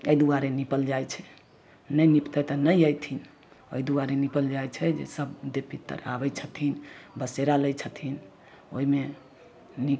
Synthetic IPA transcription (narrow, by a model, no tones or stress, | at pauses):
əjd̪uaɾenipəld͡ʒajt͡ʃʰɛ | nəjnipt̪ɛt̪ənəjəjt̪ʰin | ə̰jd̪uaɾenipəld͡ʒajt͡ʃʰɛd͡ʒḛsəbd̪epit̪ːə̰ɾa̰bɛt͡ʃʰət̪ʰinbəseɾaləjt͡ʃʰət̪ʰin | o̰ime | ni